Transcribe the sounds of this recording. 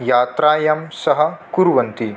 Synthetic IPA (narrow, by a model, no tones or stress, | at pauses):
jaːt̪ɾaːjɐmsɐɦɐ̆kuɾʋɐnt̪i